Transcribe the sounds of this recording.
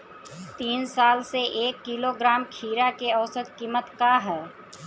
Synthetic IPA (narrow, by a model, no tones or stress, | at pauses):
t̪iːnsaːlseʔeːkːiloɡɾaːmkʰiːɾakeɐʊsət̪kiːmət̪kaɦɛː